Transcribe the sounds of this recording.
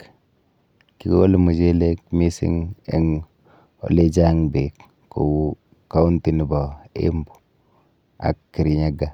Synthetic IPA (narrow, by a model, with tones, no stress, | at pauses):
ki˨ko̰˦lmu˨d͡ʒe˦le˦kmi˦sḭ˦ŋḛ˨ŋ | o̰˨le˦d͡ʒa˦ŋbe˨k | ko̰˨w | ka˦u˦nti˨ni˨ba˨ḛ˦mbu̥˨ | a̰˨kːi˨ɾi˨ɲa˦ɡa˨